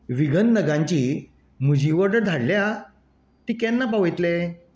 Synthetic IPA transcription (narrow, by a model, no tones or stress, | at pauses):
ʋiɡʱənːəɡãɲt͡ɕi | mud͡ʑʱiʋəɾɖəɾd̪ʱaɽlja | t̪ikɛnːapaʋəjt̪le